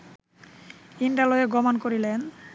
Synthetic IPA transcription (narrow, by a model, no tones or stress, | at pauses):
iɳɖaloeɡɔmonkoɾilen